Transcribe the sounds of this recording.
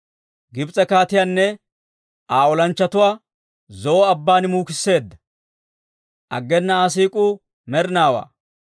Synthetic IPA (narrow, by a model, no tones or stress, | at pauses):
ɡɪbt͡sʼɛkaːt̪ɪjaːnːɛ | ʔaːɔlɐnt͡ʃːɐt̪ʊwaː | zɔːɐbːaːnmuːkɪsːe̞ːd̪ːɐ̥ | ʔɐ̰ɡːɛnːɐaːs̬iːkʼu | mɛɾnaːwa̰ː